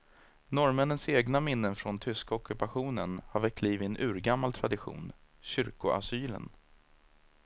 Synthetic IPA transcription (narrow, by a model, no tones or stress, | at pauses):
nɔɾmɛnənseːɡnamɪnːənfɾɔnt̪ʰʏskaɔkːɵpaɧuːnənhaɾvɛk̚t̪ʰliːvɪɛnʔʉ̟ːɾɡamːalt̪ʰɾad̪ɪɧṵːn | ɕʏɾkʊʔa̰syːlə̰n